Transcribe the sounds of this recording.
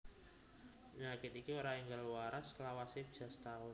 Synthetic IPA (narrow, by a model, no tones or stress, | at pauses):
ɲakit̪ikioɾaiŋɡalwaɾaslawasib̥ʒ̥a̤st̪aʊ